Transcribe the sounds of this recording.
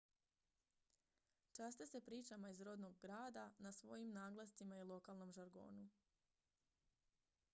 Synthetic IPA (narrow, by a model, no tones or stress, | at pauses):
t͡ʃast̪esepɾiːt͡ʃamaizɾo̞d̪noɡɡɾaːd̪anasʋo̞jimnaːɡlˠast̪imailˠo̞kalˠno̞mʒaɾɡo̞̰ːnu